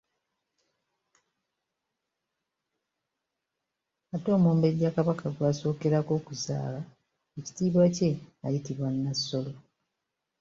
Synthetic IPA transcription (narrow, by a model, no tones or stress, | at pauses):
ato̞ːmoːmbe̞ɾjakaβakaɡwaːso̞ːke̞ɾako̞ːkuza̰ːla | eci̥tiːβwace̞a̰jitiβwanːasːo̞lo̞